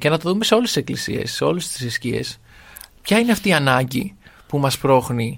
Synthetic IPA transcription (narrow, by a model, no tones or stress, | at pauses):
ce̞nɐt̪oðume̞se̞o̞let̪ise̞klisḭe̞̰sːe̞o̞lest̪i̥siscie̞̰s | pçɐineɐft̪iːɐnɐɲɟipumɐspɾo̞xni